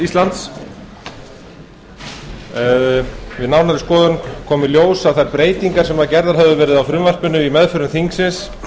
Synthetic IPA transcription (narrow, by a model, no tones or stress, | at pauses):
ist̪lant̪s | ɛðvɪðnawnaɾɪskɔːðʏnkʰɔːmɪljoːwsaðθajɾpɾeːjt̪iŋkaɾsɛmaðcɛɾðaɾ̥ɦɛvðʏvɛːɾɪðawfɾʏmvar̥pʏnʏimɛðfʏɾʏnθiŋksɪns